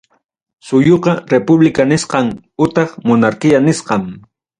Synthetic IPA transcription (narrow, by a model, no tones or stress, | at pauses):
sʊjoqɑɾepʊblɪkanɪsqɑŋ | ʊt̪ɑχmonaɾkɪjanɪsqɑm